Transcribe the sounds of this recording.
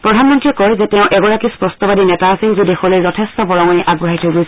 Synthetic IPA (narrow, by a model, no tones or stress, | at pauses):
pɹɔdʱanmɔntɹikɔjzɛtɛʊ̃ʔɛɡɔɹakispɹɔstɔbadinɛtaːsilzidexɔlojzɔtʰestɔbɔɹɔŋɔniʔaɡɹɔaɦitʰoɡojs